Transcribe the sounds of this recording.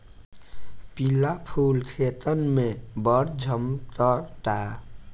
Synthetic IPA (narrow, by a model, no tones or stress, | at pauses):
pilapʰulkʰet̪ənmebəɾd͡ʒʱəmt̪əʈa